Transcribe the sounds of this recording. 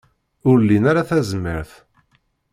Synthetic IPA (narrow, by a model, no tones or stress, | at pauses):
ʊɾlːinaɾaθæzmə̰ɾθ